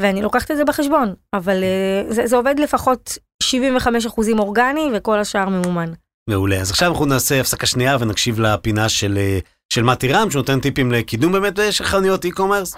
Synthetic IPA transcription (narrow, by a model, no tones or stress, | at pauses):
veanilo̞kaχt̪etzebeχeʃbo̞navalezezeo̞ved̪le̞faχo̞t | ʃivimveχame̞ʃ̬aχuzimo̞ʁɡanive̞ko̞laʃaaʁme̞muman | me̞uleazaχʃavanaχnunaːse̞afsakaʃniavenakʃivlapinaʃele | ʃelmatiʁamʃenotent̪ipimlekidumbeːmet̚beʃalχanijotikomeʁs